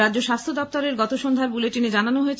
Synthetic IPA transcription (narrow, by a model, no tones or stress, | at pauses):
add͡ʑoʃast̪ʰod̪ɔp̚t̪ɔɾeɾɡɔt̪oʃond̪ʱaɾbuleʈined͡ʑananoɦoet͡ɕʰ